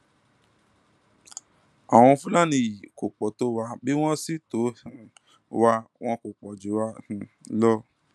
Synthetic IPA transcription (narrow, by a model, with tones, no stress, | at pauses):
a˨w̃ɔ̃˧fũ˦la˦˨nĩ˧i˨ko˨k͡pɔ˨˦to˦wa˧bi˦w̃ɔ̃˦si˦tõ˨˦˨ | wa˧w̃ɔ̃˦ko˨k͡pɔ˨d͡ʒe˨˦wa˧˦hĩ˧ | lɔ˦